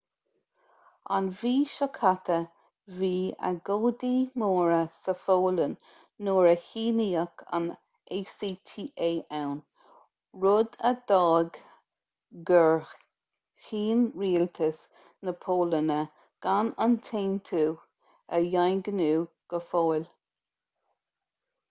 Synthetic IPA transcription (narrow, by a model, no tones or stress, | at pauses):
a̰nviːʃəkʰat̪ə | viːə̰ɡoːd̪iːmoːɹəsəfoːlənː | oːɹəhiːniːəkʰa̰n | eːsiːt̪ʰiːʔeːʔawn | ɹʊd̪əd̪̥ɑːɡ | ɡəɹ | hiːnɹiːlt̪ʰəs | nəpʰoːlənə | ɡ̥anant̪ʰeːnt̪ʰuː | əjajnɡənuːɡ̥əfoːl